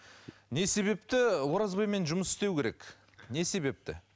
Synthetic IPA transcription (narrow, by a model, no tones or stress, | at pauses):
ne̞se̞βe̞pt̪ɪwo̞ɾɑzbɑjme̞nʒʊməsɪ̥st̪e̞wkʲʰe̞ɾe̞k | ne̞se̞βe̞p̚t̪ɪ̰